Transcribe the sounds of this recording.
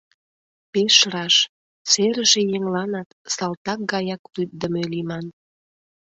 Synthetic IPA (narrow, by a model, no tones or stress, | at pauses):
peʃɾɑʃ | seɾə̆ʒĕjeŋlɑnɑt̪sɑlt̪ɑk̚ɡɑjɑklyt̪̚d̪əmølimɑn